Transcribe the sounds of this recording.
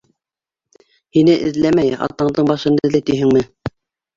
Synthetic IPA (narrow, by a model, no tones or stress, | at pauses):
hinɘʔɘ̰̆ðlæmæjɑ̰t̪ːɑɴd̪ɤɴbɑʃɤ̆nd̪ɤ̆lɘt̪iɦɘ̆ŋmɘ